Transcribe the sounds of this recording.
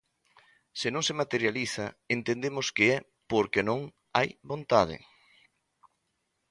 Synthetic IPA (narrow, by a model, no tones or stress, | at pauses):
sɪnõŋsemat̪eɾjaliθɐent̪end̪emʊskeɛ | poɾkenõŋ | a̰jβont̪aðɪ̰